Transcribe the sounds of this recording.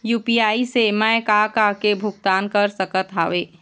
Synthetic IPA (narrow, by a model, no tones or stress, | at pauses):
juːpiaːisemaekakakebʱʊɡ̚t̪aːnkəɾsəkət̪ɦa̰ːʋeː